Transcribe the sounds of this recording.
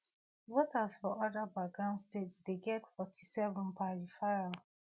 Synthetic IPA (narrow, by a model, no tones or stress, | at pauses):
wotasfɔʔɔdabaɡɹãʊ̃ndstetdeɡɛtfɔtʰi̥sɛvɔ̃npaɹifaɹa